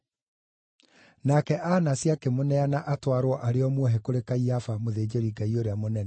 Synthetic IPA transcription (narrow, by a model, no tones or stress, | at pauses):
nakɛʔanasjakemonɛanaʔatwaɾwɔʔaɾeɔmwɔɦɛkoɾekaiafamoðeːd͡ʑeɾiɡaioɾeamonɛnɛ